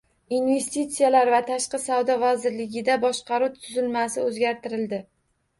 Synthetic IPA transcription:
inve̞st̪it̪sijalaɾvat̪ʰaʃqɨsavd̪ɒvazɪɾlɪɡʲɪd̪abɒʃqʰɑɾut̪ʰʊzɪlmasɪɵzɡʲaɾt̪ɪɾɪld̪ɪ

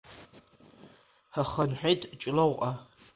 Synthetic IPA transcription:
haχɐnħʷᶣejtʼt͡ʃʼlowqʼa

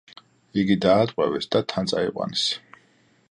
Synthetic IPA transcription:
iɡid̪aːt̪ʼqʼwɛvɛsd̪at̪ʰant̪sʼaiqʼwa̰nɛs

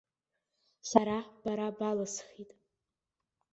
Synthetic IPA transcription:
saɾab̥aɾabalasχitʼ

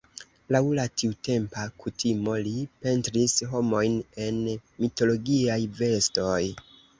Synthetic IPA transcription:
lawlatiute̞mpakutʰimo̞lipe̞ntɾisɦo̞mo̞jne̞nmito̞lo̞ɡiajve̞sto̞j

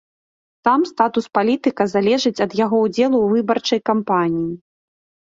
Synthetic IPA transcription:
t̪amst̪at̪uspalʲit̪ɨkɐzalʲɛʐɨt͡sʲɐd̪jaɣɔud͡zʲɛlˠuːvɨbɐrt͡ʂɐjkampanʲiji

